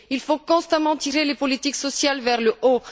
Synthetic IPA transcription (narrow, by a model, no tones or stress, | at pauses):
ilfokɔ̃st̪amɑ̃t̪iʁelepɔlit̪iksɔsjalvɛʁləʔo